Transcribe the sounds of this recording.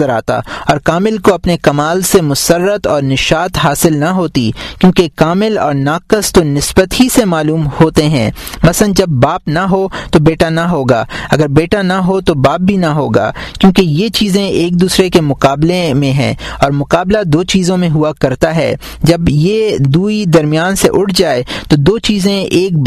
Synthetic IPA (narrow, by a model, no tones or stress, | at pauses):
əɾaːt̪a̰ɔːɾkaːmɪlkoɐpnekɐmaːlsemʊsəɾːət̪ɔːɾnɪʃaːt̪ɦaːsɪlnɐɦoːt̪ikjõːkekaːmɪlɔ̰ːɾnaːkəst̪onɪsbət̪ɦisemaːluːmhoːt̪eɦɛ̰̃ːmɐsənd͡ʒɐbːaːpnaɦot̪obeːʈanaɦoːɡaːɐɡəɾbeːʈanaɦot̪obaːp̚bʱinɐɦoːɡa̰ːkjõːkejet͡ʃiːzẽeːk̚d̪uːsɾekemʊqaːblemẽɦɛ̰̃ːɔːɾmʊqaːblad̪oːt͡ʃiːzõmẽɦʊakɐɾt̪aɦɛ̰ː | d͡ʒɐbjed̪uːid̪ɐɾmijaːnseʔʊʈʰd͡ʒaːet̪od̪oːt͡ʃiːzẽeːk̚